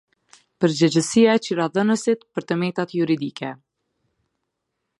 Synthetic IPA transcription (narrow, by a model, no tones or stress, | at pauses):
pəɾd͡ʑɛd͡ʑəsiaɛt͡ɕiɾaðənəsit̪pəɾt̪əmɛt̪at̪juɾid̪ikʰɛ